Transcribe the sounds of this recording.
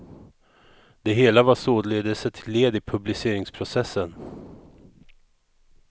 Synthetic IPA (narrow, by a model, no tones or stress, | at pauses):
d̪ɛɦeːlavasoːd̪leːd̪əsət̪ʰɪleːd̪ɪpʰɵblɪseːɾɪŋspʰɾʊsɛsːən